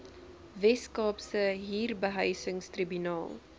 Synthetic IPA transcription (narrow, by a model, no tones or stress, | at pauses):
vɛskɑːpsəɦiːrbəɦəjsəŋstribynɑ̰ːlˠ